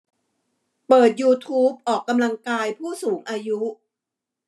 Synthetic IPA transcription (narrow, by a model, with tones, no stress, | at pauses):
pɤː˨˩t̪̚juː˧t̪ʰuː˦˥p̚ʔɔː˨˩kːa˧mla˧ŋkaː˧jpʰuː˥˩suː˩˦ŋʔaː˧ju˦˥